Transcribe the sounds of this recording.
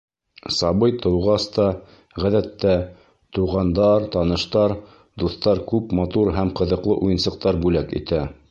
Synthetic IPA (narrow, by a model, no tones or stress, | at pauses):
sɑβɤjt̪ɤ̆wʁɑst̪ɑ | ʁæðæt̪ːæ | t̪uʁɑnd̪ɑɾt̪ɑnɤ̆ʃt̪ɑɾ | d̪uθt̪ɑɾkʉpmɑt̪uɾɦæmqɤ̆ðɤ̆qlˠɤ̰ʔujɤ̆nsɤ̆q̚t̪ɑɾbʉlækḭt̪æ